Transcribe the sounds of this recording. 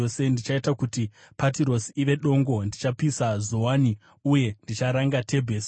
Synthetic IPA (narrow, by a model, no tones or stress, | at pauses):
ose̞ndit͡ʃaitakuti | patiɾo̞siiʋe̞ɗo̞ŋɡo̞ndit͡ʃapisazo̞wani | uje̞ndit͡ʃaɾaŋɡatʰe̞bʱeːs